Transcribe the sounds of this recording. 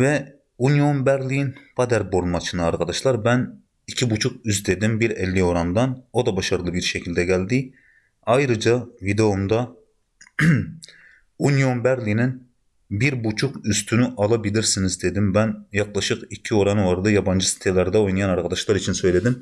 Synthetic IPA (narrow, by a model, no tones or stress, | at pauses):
vɛ | unjonbæɾlijinpʰɑd̪ɛɾboɾmɑt͡ʃʰinɨɑɾqɑd̪ɑʃlˠɑɾbɛn | ikʲʰibut͡ʃʰuqyzd̪ed̪imbiɾɛlːioɾɑnd̪ɑnod̪ɑbɑʃɑɾɯlˠɯbiɾʃɛkʰʲilʲd̪ɛɡʲɛld̪ɪ | ɑjɾɨd͡ʒɑvid̪eomd̪ɑ | unjonbæɾlinɪn | biɾbut͡ʃʰuqyst̪ʰynyʔɑlˠɑbilɪɾsinɪzd̪ed̪ɪmbɛnjɑqlˠɑʃɯqikʲʰːioɾɑnɑɾɯd̪ɑjɑbɑnd͡ʒɨsi̥t̪ʰelæɾd̪ɛojnɑjɑnɑɾqʰɑd̪ɑʃlˠɑɾit͡ʃʰinsøjled̪ɪm